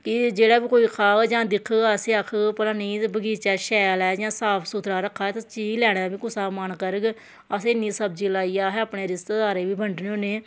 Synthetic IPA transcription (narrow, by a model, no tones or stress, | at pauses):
kɪd͡ʒeːɽaːbiːkoːiːkʰaːɡd͡ʒãːd̪ɪkʰəseːəkʰɡpəlaːniːbəɡiːt͡ʃaːʃɛːlɛːd͡ʒãːsaːpʰsuːt̪ʰɾaːɾəkʰːaːɛt̪ãt͡ʃiːɡlɛːɽ̃aːbiːkʊsaːmənkəɾəɡ | əseːɪniːsəb̚d͡ʒiːlaːiːaːɦɛːəːpɳeːɾɪst̪eːd̪aːɾeːʋiːbəɳɖneõːneː